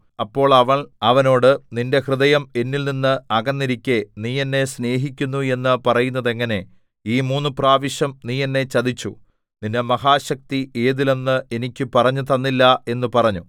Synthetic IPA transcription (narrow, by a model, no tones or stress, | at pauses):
ɐpːo̞ːɭɐʋɐɭɐʋɐno̞ːɽɨninde̞hrɨðɐjɐme̞nːilninːɨɐɣɐnːiɾikʲːe̞niːjenːe̞sne̞ːɦikʲːunːue̞nːɨpɐrɐjunːɐðe̞ŋːɐne̞ | iːmuːnːupraːʋiɕjɐmniːjenːe̞t͡ɕɐðit͡ɕːṵ | ninːemɐɦaːɕɐk̚t̪iʔeːðile̞nːɨe̞nikʲːɨpɐrɐɲːut̪ɐnːilːɐe̞nːɨpɐrɐɲːu